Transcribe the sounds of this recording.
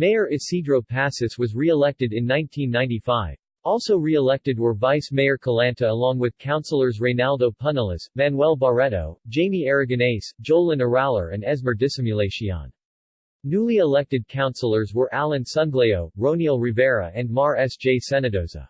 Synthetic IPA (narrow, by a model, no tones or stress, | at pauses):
meɪə˞ʔɨsidɹoʊpʰæsɨswʌzɹiəlɛk̚tɨɾɨ̃nːãɪ̃ntʰĩnːãɪ̃ntifaɪv̥ | ɔlˠsoʊɹiəlɛk̚tɨd̚wə˞vaɪsmeɪə˞kʰəlæ̃ntʰɨəlɔ̃ŋwɨð̥kʰãʊ̃nsl̩ˠə˞zɹẽɪnalˠdoʊpʰʌnəl̩ˠəsvæ̃nwɛlˠbəɹɛɾo̰ʊ̥d͡ʒẽɪ̃miɛɹɨɡɨneɪsd̥ʒ̥oʊlˠɨ̃nə˞ælˠə̰˞ɨ̃nɛzmə˞dɨsɪ̃mjɨleɪʃiɑ̰̃nː | ulˠiəlɛk̚tɨd̚kʰãʊ̃nsl̩ˠə˞zwə˞ʔælˠɨ̃nsʌ̃nɡleoʊɹõʊ̃nil̩ˠɹɨvɛɹɨ̰ɨ̃nmɑɹɛsd̥ʒ̥eɪsɛnɨdoʊzə̰